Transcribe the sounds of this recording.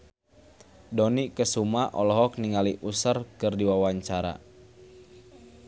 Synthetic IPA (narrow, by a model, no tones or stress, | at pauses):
dɔnikəsumaʔɔlɔɦɔk̚niŋaliʔusərkɨrdiwawaɲt͡ʃaɾa̰